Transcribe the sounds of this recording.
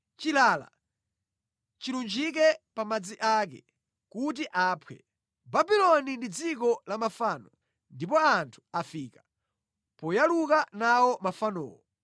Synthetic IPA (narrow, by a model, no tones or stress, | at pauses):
t͡ʃilaːla̰ | t͡ʃilund͡ʒik̬ɛpamad͡ziʔak̬ɛ̰ | kut̬iʔaːpʰwɛ̰ | babilɔnindid͡zik̬ɔlamafaːnɔ | ndipɔantʰu̥afiːka | pɔjalukanawɔmafanɔ̰ːwɔ